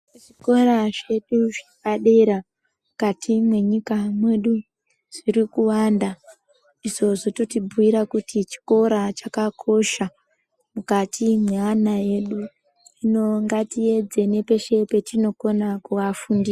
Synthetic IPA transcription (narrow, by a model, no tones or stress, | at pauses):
ʐiko̞ɾaʐe̞ɗuʐikaɗe̞ɾa | mukatʰimwe̞ɲikamwe̞ɗu | ʐ̥iɾikuwanda | iʐo̞ʐo̞totibʱuiɾakutit͡ʃi̥ko̞ɾat͡ʃakakʰo̞ʃa | mukatimweanae̞ɗu | ino̞ŋɡatie̞d͡ze̞ne̞pe̞ʃe̞pe̞tino̞ko̞nakuʋafundiːa